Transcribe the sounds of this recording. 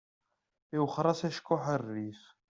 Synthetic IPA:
iwχɾˤɑsæʃkːʊħərːif

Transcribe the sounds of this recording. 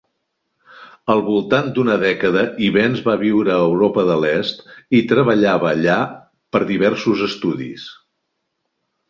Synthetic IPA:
əlˠβulˠt̪and̪unəðɛkəðəʔiβɛnzβaβiwɾəːwɾopəðəlɛst̪it̪ɾəβəʎaβəːʎa | pəɾðiβ̞ɛɾsuzəst̪uðḭs

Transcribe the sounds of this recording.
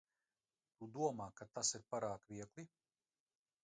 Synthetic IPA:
t̪ud̪uɔmaːkat̪asiɾpaɾaːkvʲiɛklˠi

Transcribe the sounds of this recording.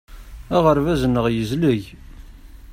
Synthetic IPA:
æʁəɾvæzənːəʁjəzləʝ

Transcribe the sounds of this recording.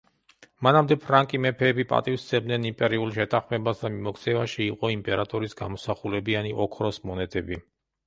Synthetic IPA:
manamd̪ɛpʰɾaŋkʼimɛpʰɛːbipʼa̰t̪ʼifst̪sʰɛb̚d̪nɛnimpʼɛɾiulˠʃɛt̪ʰaχmɛbasd̪amimɔkʰt̪sʰɛvaʃiːqʼɔimpʼɛɾat̪ʼɔɾisɡamɔsaχulɛbianiʔɔkʰɾɔsmɔnɛd̪ɛbi

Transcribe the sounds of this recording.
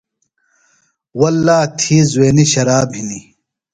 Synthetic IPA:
wɐlːaːt̪ʰizweːniɕɐɾaːbɦini

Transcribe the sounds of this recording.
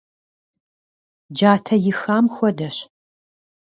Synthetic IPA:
d͡ʒaːtʰɐjɪxaːmxʷɔdɐɕ

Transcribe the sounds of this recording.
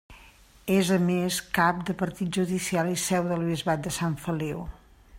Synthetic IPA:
ezəmeskap̚d̪əpəɾt̪it̪̚ʒuðisialisɛwðəlˠβizβat̪̚d̪əsaɱfəlew

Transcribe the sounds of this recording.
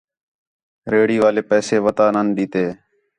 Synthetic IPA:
ɾeːɽiːʋaːleːpɛːseːʋət̪aːnənɗiːt̪eː

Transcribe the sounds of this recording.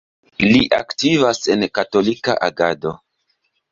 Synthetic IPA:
liʔa̰ktivase̞nkato̞lika̰ʔaɡado̞

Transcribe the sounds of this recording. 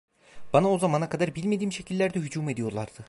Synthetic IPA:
b̥anao̞zamanakʰad̪aɾbilʲme̞d̪iːmʃe̞cʰilʲːæɾd̪ɛɦyd͡ʒuːme̞d̪ijo̞ɾlˠaɾd̪̥ɯ

